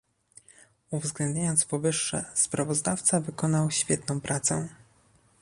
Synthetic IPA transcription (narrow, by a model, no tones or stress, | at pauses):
uvzɡlɛnd̪ɲʲajɔnt̪spɔvɘʂːɛ̰spɾavɔzd̪aft̪savɘkɔnawɕfʲjɛt̪nɔ̃w̃pɾʔat̪sɛ